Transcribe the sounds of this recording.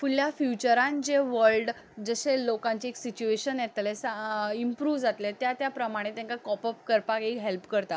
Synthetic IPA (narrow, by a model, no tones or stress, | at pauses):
fuljafjut͡ɕəɾãnd͡ʑeʋəlɖ | d͡zəɕelokãɲt͡ɕeeksit͡ɕueɕənjɛt̪lesaimpɾuːʋd͡zat̪let̪jat̪japɾəmaɽ̃et̪jãŋkakɔpəp̚kəɾpakekɦelpkəɾt̪a